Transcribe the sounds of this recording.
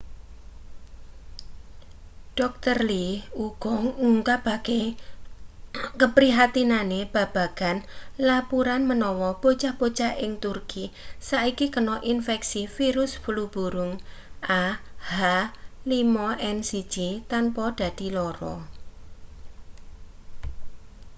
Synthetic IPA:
ɖ̥ɔk̚t̪ərliuɡ̥ɔŋŋuŋkab̥a̤ɡ̥e | kəpɾiɦat̪inaneb̥ä̤b̥a̤ɡ̥anlapuɾanmənɔwɔb̥ot͡ʃab̥ot͡ʃaɪŋt̪urkʰisaikikənɔʔinfɛksifiɾʊsb̥ulub̥ṳɾʊŋahalimɔʔɛnsi̥d͡ʒ̥it̪anpɔd̥a̤d̪̥i̤lɔɾɔ̰

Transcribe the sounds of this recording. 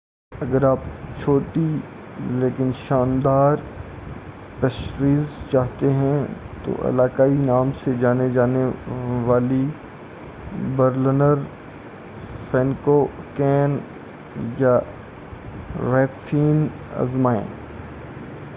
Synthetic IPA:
ɐɡəɾaːpt͡ʃʰoːʈi | leːkɪnʃaːnd̪aːɾ | pɐʃɾiːzt͡ʃaːɦt̪eɦɛ̃ | t̪o̰ʔɐ̰laːkaːinaːmsed͡ʒaːned͡ʒaːneʋaːli | bəɾlənəɾ | fɛ̃ːnkokɛːn | ja | ɾɛːkfʰiːn | ɐ̰zmaːḛ̃ː

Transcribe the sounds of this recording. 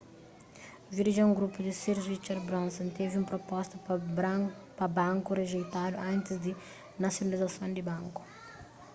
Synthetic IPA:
viɾiʒɐũŋɡɾupud̪ɪsiɾzwit͡ʃɛɾbɾõnsɐ̃nt̪eviũpɾopɔst̪ɐ | pɐbɐ̃ŋkureʒejt̪ad̪uɐ̃nt̪ɪzd̪ɪ | nɐsjonɐlizɐsõnd̪ibɐ̃ŋku̥

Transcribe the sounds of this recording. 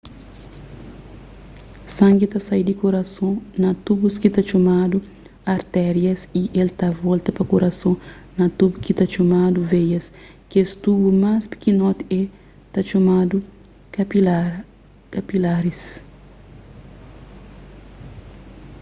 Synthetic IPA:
sɐ̃ŋɡit̪asajd̪ikoɾɐsõnɐt̪ubuskit̪at͡ʃomad̪u | ɐɾt̪ɛɾjɐsiʔelt̪avɔlt̪ɐpɐkoɾʔɐsõnɐt̪ubukit̪at͡ʃomad̪uvejɐs | kest̪ubumaspi̥kinɔt̪ɛ | t̪at͡ʃomad̪u | kapilaɾis

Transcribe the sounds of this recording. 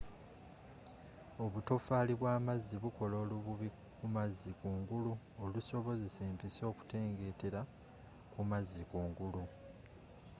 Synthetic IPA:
o̞βuto̞faːliβwaːmazːiβuko̞lo̞ːluβuβi | kumazːikuːŋɡulu | oluso̞βo̞ze̞se̞ːmpiso̞ːku̥te̞ːŋɡe̞te̞ɾa | kumazːikuːŋɡulu

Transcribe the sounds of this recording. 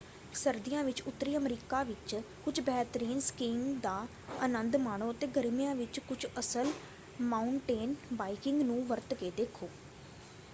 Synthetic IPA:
səɾd̪ɪjãːʋɪt͡ʃʊt̪ːɾiːəmɾiːkaːʋɪt͡ʃ | kʊd͡ʒbɛːt̪ɾiːnskiːnd̪aː | ənənd̪maːɳ̃oːət̪eːɡəɾmijãːʋɪt͡ʃkʊt͡ʃəsəl | maːʊɳʈeːnbaːikɪŋɡnũːʋəɾt̪keːd̪eːkʰoː

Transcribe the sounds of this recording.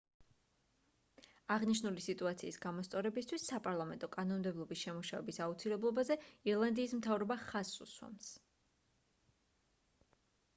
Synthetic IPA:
aʁniʃnulisit̪ʼuat̪sʰiːsɡamɔst̪sʼɔɾɛbist̪ʰwisːapʼaɾlˠamɛnt̪ʼɔkʼanɔnmd̪ɛblˠɔbisʃɛmuʃavɛbisaut̪sʰilɛblˠɔbazɛiɾlˠand̪iːsmt̪ʰavɾɔbaχasːṵswa̰ms

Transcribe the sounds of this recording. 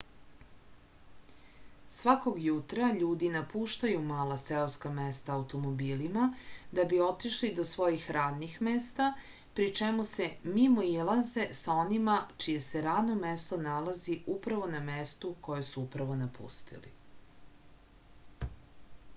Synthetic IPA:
sʋako̞ɡjut̪ɾaʎuːd̪inapuʃt̪ajumaːlˠaseoskamest̪aːwt̪o̞mobiːlimad̪abio̞t̪iʃlid̪o̞sʋo̞jixɾaːd̪nixmest̪a | pɾit͡ʃemuse̞mimo̞ilˠaze̞sao̞nimat͡ʃije̞se̞ɾaːd̪no̞mest̪o̞nalaziupɾaʋo̞namest̪uko̞jesuupɾaʋo̞napṵst̪ḭlḭ

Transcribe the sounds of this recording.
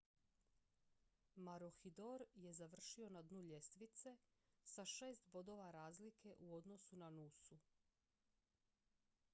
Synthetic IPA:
maɾoxid̪oɾje̞zaʋr̩ʃio̞nad̪nuʎest̪ʋit̪se̞saʃe̞ːst̪bo̞d̪o̞ʋaɾaːzlikʰe̞ʔuo̞d̪no̞sunanusu

